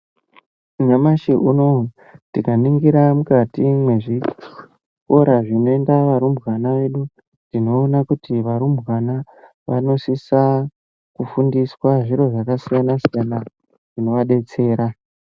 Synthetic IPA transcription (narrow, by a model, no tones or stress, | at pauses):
uɲamaʃiʔuno̞ | tikaniŋɡiɾamukatimwe̞ʐi | ko̞ɾaʐino̞e̞ndaʋaɾumbwanaʋe̞ɗu | dino̞ːnakutiʋaɾumbɣana | ʋa̰no̞sisa | kufundiswaʐiɾo̞ʐakasijanasijana | ʐ̥ino̞ʋaɗe̞t͡se̞ːɾa